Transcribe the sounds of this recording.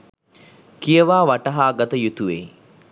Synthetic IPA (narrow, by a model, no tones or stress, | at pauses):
kijəʋaːʋaʈəɦaːɡat̪əjut̪uʋḛː